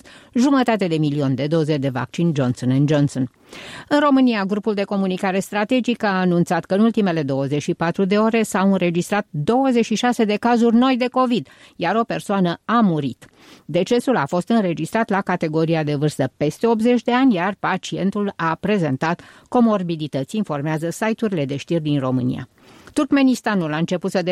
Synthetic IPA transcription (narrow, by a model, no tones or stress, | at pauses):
ʒumət̪at̪e̞d̪e̞milio̞nʲd̪e̞d̪o̞ze̞d̪e̞va̰k̚t͡ʃind͡ʒo̞nsonɨnd͡ʒonson | ɨnro̞mɨniaɡɾupuld̪e̞ko̞munikaɾe̞st̪ɾat̪e̞d͡ʒikaːnunt̪sat̪kəɨnult̪ime̞le̞d̪o̞wəzet͡ʃʃipat̪ɾud̪e̞o̞ɾe̞sawɨnɾe̞d͡ʒist̪ɾat̪d̪o̞wəzet͡ʃʃiʃase̞d̪e̞kazurʲno̞jd̪e̞ko̞vid̪jaɾo̞pe̞rsoanəamuɾḭt̪ | d̪e̞t͡ʃe̞sulafo̞st̪ɨnɾe̞d͡ʒist̪ɾat̪lakat̪e̞ɡo̞ɾiad̪e̞vɨrst̪əpe̞st̪e̞o̞p̪ze̞t͡ʃʲd̪e̞anʲjarpat͡ʃie̞nt̪ulapɾe̞ze̞nt̪at̪ | ko̞mo̞rbilit̪ət̪sʲinfo̞rmeazəsajt̪uɾile̞d̪e̞ʃt̪irʲd̪inro̞mɨ̰nḭja̰ | t̪urkme̞nist̪anulaɨnt͡ʃe̞put̪səd̪